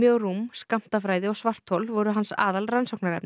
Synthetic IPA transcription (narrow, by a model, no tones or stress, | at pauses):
jœwɾumskam̥t̪afɾaːjðɪɔɣsvar̥t̪holvɔɾʏɦansa̰ːðalransɔwknaɾɛpn